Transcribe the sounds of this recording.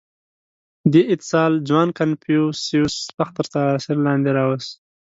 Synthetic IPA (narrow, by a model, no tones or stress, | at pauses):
d̪eʔɪt̪ɪ̥sɑːld͡ʒwɑnkanpjusiuspaxt̪əɾt̪asiɾlɑnd̪eɾɑwəs